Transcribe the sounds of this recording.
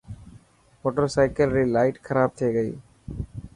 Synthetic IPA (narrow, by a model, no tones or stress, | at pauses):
mɔʈːɐɾsɐɪkɐlɾilɐɪʈkʰɐɾaːb̚t̪ʰeːɣɐɪ